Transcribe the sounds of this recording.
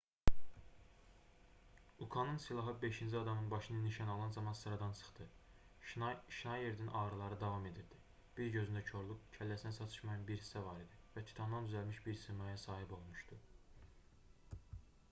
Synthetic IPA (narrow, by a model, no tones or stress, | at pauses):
ukʰɑnɯnsilˠɑɦɯbe̞ʃind͡ʒiɑd̪ɑmɯnbɑʃɯnɯniʃɑnɑlˠɑnzɑmɑnsɯɾɑd̪ɑnsʰɯ̥χt̪ɯ | ʃinɑje̞ɾd̪inʔɑːɾɯlˠɑɾɯd̪ɑvɑme̞d̪iɾd̪i | b̥iɾɟø̞zynd̪æcʰo̞ɾlˠukcʰælːæsinæsɑt̪ʰɯ̥ʃmɑjɑnbiɾhi̥sævɑɾid̪ivæt̪ʰi̥t̪ʰɑnd̪ɑnd̪yzælmiʃbiɾsɯmɑjɑsɑːɦibo̞lˠmuʃt̪u